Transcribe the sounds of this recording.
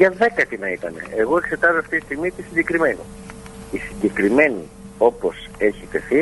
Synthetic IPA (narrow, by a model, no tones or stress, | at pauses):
ʝɐðe̞kɐt̪inɐit̪ɐnḛeɣo̞e̞kse̞t̪ɐzoɐft̪it̪ist̪iɣmit̪isiɲɟe̞kɾime̞no̰ | isiɲɟe̞kɾime̞ni | o̞po̞s | e̞çit̪e̞θi